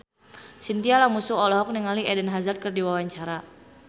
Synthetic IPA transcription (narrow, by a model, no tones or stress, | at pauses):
sint̪ialamusuɔlɔɦɔk̚niŋaliɛdɛnɦazart̪̚kərdiwawaɲt͡ʃaɾa